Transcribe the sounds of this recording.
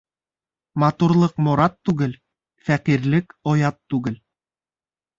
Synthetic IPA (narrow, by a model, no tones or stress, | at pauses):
mɑt̪uɾlˠɤqmŏɾɑt̪ːʉɡɘl | fæqiɾlɘkojɑt̪ːʉɡɘl